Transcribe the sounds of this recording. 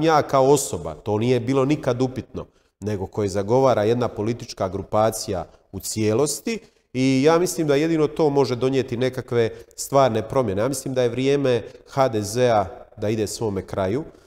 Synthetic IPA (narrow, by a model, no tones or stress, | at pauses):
jaːkao̞o̞so̞ba̰t̪o̞ːnije̞biːlo̞nikad̪upit̪no̞ | ne̞ɡo̞ko̞jezaɡo̞ʋaːɾaje̞d̪napo̞lit̪it͡ʃkaɡɾupaːt̪sija̰ | ut̪sje̞ːlo̞st̪i | ijaːmisliːmd̪aje̞d̪ino̞t̪o̞ːmo̞ʒed̪o̞njet̪inekakʋe̞st̪ʋaːɾne̞pɾo̞mje̞ne̞jaːmisliːmd̪aje̞ʋɾjeːme̞xaːd̪eze̞ad̪aid̪e̞sʋo̞ːmekɾaju